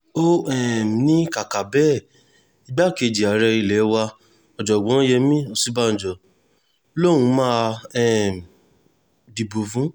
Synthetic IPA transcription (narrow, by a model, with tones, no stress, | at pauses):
o˦ɛ˦˨m˨nĩ˦ka˨ka˨bɛ˦˨ | i˧ɡ͡ba˦˨ke˧˨d͡ʒi˨a˨ɾɛ˧i˧lɛ˨˦wa˧ | ɔ˨d͡ʒɔ˨ɡ͡bɔ̃˨˦jɛ˧mĩ˦o˧si˦ba˦n̩˨d͡ʒɔ˨ | lo˦˨w̃ũ˧˦mã˦ɛ˦˨m˨ | di˨bo˨fũ˦